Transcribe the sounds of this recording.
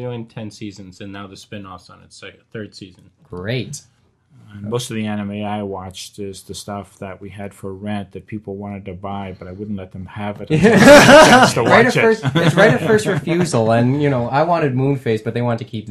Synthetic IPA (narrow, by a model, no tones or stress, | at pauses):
ɡoʊɪ̃ntʰɛ̃nsizɨ̃nzɨ̃nːaʊðɨspɪ̃nɔfsn̩ɨ̰tsaɪkθɜ˞d̥siz̃n̩ɡ̥ɹeɪt | moʊstʌvðiɛ̃nɨmeɪaɪwɑt͡ʃðɪzðɨstʌfðɨʔ̚wiɨd̥fə˞ɹɛ̃nðɨt̚pʰipl̩ˠwɑ̃ñɨd̚tɨbaɪbʌɾaɪwʊdⁿn̩tˡlɛt̪̚ðə̃mɨvɨɾ | ɹaɪɾɨɜ˞sɪsɹaɪɾɨfɜ˞stɹɨfjʉzl̩ˠɨ̃njɨñoʊaɪwɑ̃ɾ̃ɨd̚mũnfeɪsb̥ʌt̪̚ðeɪwɑ̃ntʰɨkʰip̚